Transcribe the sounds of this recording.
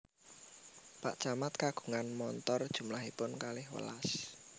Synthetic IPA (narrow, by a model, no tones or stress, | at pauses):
paʔt͡ʃamat̪̚kaɡ̥ṳŋanmɔnt̪ɔrd̥ʒ̥ṳmlaɦipʊnkalɪhwə̰la̰s